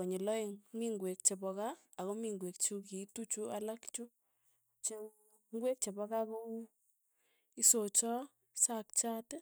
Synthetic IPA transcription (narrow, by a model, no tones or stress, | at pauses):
oɲelɔeŋmiŋɡwek̚t͡ʃebɔkaːkomiŋɡwekt͡ʃuk̬itut͡ʃualakt͡ʃu | t͡ʃe | ŋɡwek̚t͡ʃebakako | isot͡ʃɔ | sak̚t͡ʃat